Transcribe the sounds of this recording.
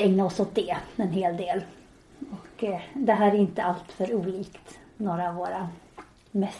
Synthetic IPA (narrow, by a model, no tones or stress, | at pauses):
ɛŋnaɔsʊt̪̚d̪eːɛnɦeːld̪eːl | ɔkd̪ɛɦæːɾæɾɪnt̪əalt̪fœɾuːliːkt̪ | noːɾaːvːoːɾa | mɛs